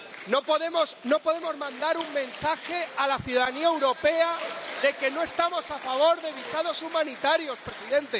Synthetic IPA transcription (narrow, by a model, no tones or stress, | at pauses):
no̞po̞ðe̞mo̞sno̞po̞ðe̞mo̞zmãnd̪aɾuŋmẽ̞nsaxe̞alaθjuðaðaniaewɾo̞pe̞aðe̞ke̞noe̞st̪amo̞safaβ̞o̞ɾðe̞βisað̞o̞sumãnit̪aɾjo̞spɾe̞siðẽ̞nt̪e̞